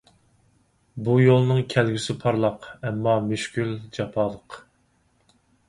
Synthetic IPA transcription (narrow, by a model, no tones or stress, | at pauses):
bujolˠnɨŋkʲʰælɡʲysɪpʰɑɾlˠɑqɛmːɑmyʃkʲyld͡ʒɑpʰɑːlˠəq